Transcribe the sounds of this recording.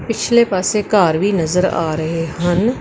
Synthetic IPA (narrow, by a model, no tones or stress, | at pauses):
pɪt͡ʃʰleːpaːseːkaːɾʋiːnəzəɾa̰ːɾəɦeːɦən